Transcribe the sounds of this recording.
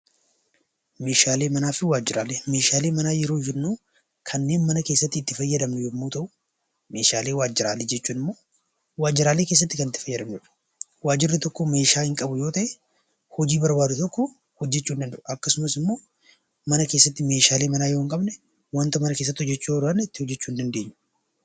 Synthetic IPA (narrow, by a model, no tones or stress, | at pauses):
me̞ːʃaːle̞ːmɐnaːfɪwaːd͡ʒːɪɾaːleːmeːʃaːleːmɐnaːjɛɾoːd͡ʒɛːuː | kʰɐnːe̞ːnmɐnɐkeːsːɐt̪ːɪːt̪ːɪfɐjːɐd̪ɐmnɛjɛmːuːt̪ɐʔʊ̥ | me̞ːʃaːle̞ːwaːd͡ʒːɪɾaːled͡ʒɛt͡ʃːuːnɪmːoː | waːd͡ʒːɪɾaːle̞ːkeːs̬ːɐt̪ːɪkɐnɪt̪ːɪ̥fɐjːɐd̪ɐmnɛᶑɐ̥ | waːd͡ʒːɪrːɪt̪ɔkːome̞ːʃaːhɪŋkʼɐbʊjo̞ːt̪ɐʔe | hɔd͡ʒiːbɐɾbaːd̪ʊt̪ɔkːɔ | hɔd͡ʒːɛt͡ʃːuːnd̪ɐnd̪ɐʔʊʔɐkːɐsʊmɐsɪmːo̞ː | mɐnɐkeːsːɐt̪ːɪme̞ːʃaːle̞ːmɐnaːjoːŋkʼɐbnɛ | wɐnt̪ɐmɐnɐke̞ːs̬ːɐt̪ːhɔd͡ʒːɛt͡ʃːujoːɾanːɛt̪ːɪhɔd͡ʒːɛt͡ʃːuːɪnd̪ɐnd̪e̞ːɲːʊ̥